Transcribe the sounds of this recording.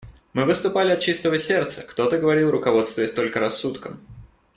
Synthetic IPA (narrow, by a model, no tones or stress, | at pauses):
mɨvɨst̪ʊpalʲɪɐt̪̚t͡ɕist̪əvəsʲe̞rt̪səkt̪o̞t̪əɡəvɐɾʲilˠrʊkɐvo̞t̪st̪vʊjɪsʲt̪o̞lʲkəɾɐsːut̪kəm